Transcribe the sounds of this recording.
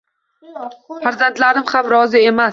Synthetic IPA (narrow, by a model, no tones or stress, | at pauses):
faɾzant̪laɾɪmhamɾɒzɪe̞mas